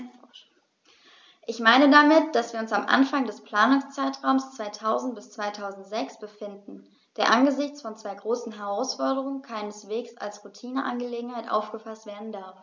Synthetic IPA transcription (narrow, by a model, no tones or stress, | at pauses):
ʔɪçmaɪnədamɪtd̥asv̥iːɐʊnsamʔa̰nfaŋdɛspl̥aːnʊŋst͡saɪtʁ̥aʊmst͡sv̥aɪtʰaʊzn̩t̚b̥ɪst͡sv̥aɪtʰaʊzn̩tz̥ɛksb̥əfɪndn̩ | d̥eːɐʔanɡəzɪçt͡sfɔnt͡sv̥aɪɡʁoːsn̩ɦɛʁaʊsfɔɐdəʁ̞ʊŋənkʰaɪnəsv̥eːksa̰lsʁutʰiːnəʔa̰nɡəleːɡŋ̩haɪtʔa̰ʊfɡ̥əfastv̥eːɐdn̩daɐf